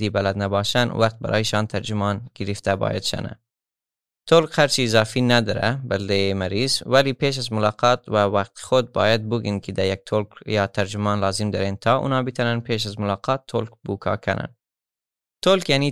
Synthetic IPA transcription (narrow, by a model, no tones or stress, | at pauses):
d̪ibalad̪nabɑːʃan̰wʔaqt̪̚ba̰ɾʔɑ̰ːjiʃɑːnt̪ʰaɾd͡ʒumɑːnɡ̥iɾift̪abɑ̰ːja̰d̪ʃa̰na̰ | t̪ʰolkhaɾt͡ʃiːzɑːfinad̪ɔɾa̰bald̪ejemaɾiːzwælipʰeːʃ̬azmʊlɑːqɑːt̪wawaq̚t̪xod̪̚bɑ̰ːjad̪̚buɡinkʰid̪ajak̚t̪ʰolkjɑːt̪ʰaɾd͡ʒumɑːnlɑːzimd̪əɾent̪ʰɑːʔṵnɑːbit̪ʰananpʰeːʃ̬azmʊlɑːqʰɑːt̪ʰːolkbukʰɑ̰ːkʰa̰na̰n | t̪ʰolkjani